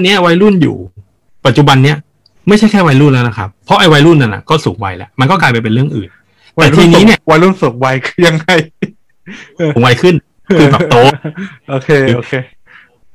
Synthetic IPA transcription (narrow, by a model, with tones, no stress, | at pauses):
nːi˦˥ɐwa˧jlu˥˩njṵː˨˩ | pa˨t̪̚t͡ɕu˨˩ba˧nːi˦˥ɐ | ma˥˩jt͡ɕʰa˥˩jkʰɛː˥˩wa˧jlu˥˩nlɛː˦˥wna˦kʰa̰˦˥pʰːɔ˦˥ʔa˧jwa˧jlu˥˩nːa˧na̰˨˩kɔː˥˩suː˩˦ŋwa˧jlɛ̰˦˥ʔma˧nkɔ˥˩klaː˧jpa˧jpe˧nɾɯ˥˩əŋʔɯ̰ː˨˩n | tɛː˨˩˧iː˧ni˧˦˥ni˥˩ɐwa˧jlu˥˩nso˨˩˦ŋwa˧jkʰɯ̥˧˩ja˧ŋːa˧˩j | uː˨˩˦ŋwa˧jkʰɯ˥˩nʰ | ɯː˧bɛː˨˩pt̪oː˨˦˥ʔoː˧˩kʰeː˧o˧kʰeː˧